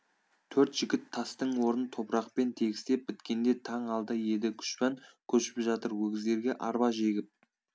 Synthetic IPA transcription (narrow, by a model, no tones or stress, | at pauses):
t̪ʰɵɾt̪ʒ̥ɪɡʲɪt̪ʰːɑst̪əɴwo̞ɾənt̪ʰo̞pɾɑq̚pe̞nt̪ʰe̞ɡʲɪst̪e̞p̚bɪt̪kʲe̞nd̪e̞t̪ʰɑɴɑlˠd̪əje̞d̪ɪkʲʰʏ̥ʃpɑŋkʲʰɵʃɪ̥pʒɑt̪əɾwɵɡʲɪzd̪e̞ɾɡʲe̞ʔɑɾbɑʒe̞ɡʲɪp̚